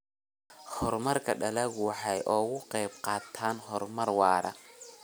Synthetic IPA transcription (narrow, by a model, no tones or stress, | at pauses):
hɔrmɐrkʰɐɖɐlɐɣʊwɑħɑjʔɔːɣʊqɛjb̚qɑːt̪ʰaːnɦɔrmɐrwɑːɾɐ̰